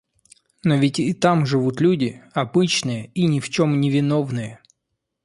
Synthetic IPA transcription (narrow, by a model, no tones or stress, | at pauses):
no̞vʲɪtʲit̪amʐɨvut̪lʲudʲɪɐbɨt͡ɕnɨjəinʲɪft͡ɕo̞mnʲɪvʲɪno̞vnɨjə